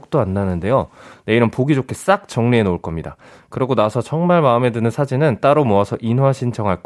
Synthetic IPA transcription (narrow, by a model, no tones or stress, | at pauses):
k̚t͈oanːanɯnde̞jone̞iɾɯnpoɡid͡ʑokʰes͈ak̚t͡ɕ͈ʌŋneenouɭk͈ʌmɲida̰ | kɯɾʌɡonasʰʌt͡ɕʌŋmaɭmaɯme̞dɯnɯnsʰad͡ʑinɯnt͈aɾomuasʰʌʔinɦwaɕʰint͡ɕʰʌŋɦaɭk